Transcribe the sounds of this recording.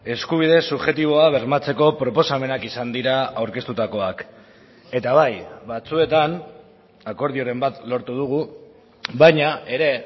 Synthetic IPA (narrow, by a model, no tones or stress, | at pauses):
e̞skuβ̞iðe̞suβʝe̞t̪iβ̞o̞aβ̞e̞ɾmat͡se̞ko̞pɾo̞po̞same̞nakisand̪iɾaawɾke̞st̪ut̪ako̞ak | e̞t̪aβajβat͡sue̞t̪an | ako̞ɾð̞io̞ɾe̞mbat̪lo̞ɾt̪uð̞uɣ̞u | βajɲae̞ɾe̞